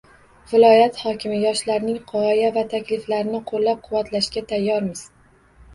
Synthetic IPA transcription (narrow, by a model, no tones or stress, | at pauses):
vɪlɒjat̪hɒkʲʰɪmɪjɒʃlaɾnɪŋqʰɒjavat̪ʰakʲlɪflaɾɪnɪqʰolːap̚qʰʊwat̪laʃkʲat̪ʰajːɒɾmɪz̥